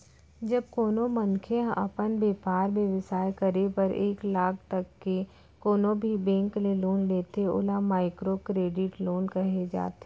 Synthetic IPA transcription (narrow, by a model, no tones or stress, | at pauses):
d͡ʒɐb̚koːnomɐ̃nkʰeɐ̰pənbeːpaːɾmjeʋəsaːjkɐɾepəɾʔeːklaːk̚ʰt̪ɐkːe | koːnobʱibẽːŋkleloːnleːt̪eo̰ːlamaːɪkɾokɾeːɖɪʈloːnkɐɦed͡ʒa̰ːt̪eː